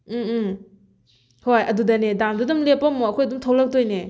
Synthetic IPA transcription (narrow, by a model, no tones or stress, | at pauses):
hojʔɐdudɐnedamdudumlepːɐmoɐkʰɔjɐdumtʰawlɐk̚dojne